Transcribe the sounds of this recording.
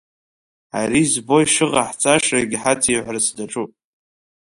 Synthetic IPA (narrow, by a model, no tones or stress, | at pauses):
aɾizbo̞jʂɨʁaħt͡sʼaʂaɡʲħat͡sʰiʕʷrsdaʈ͡ʂʼupʼ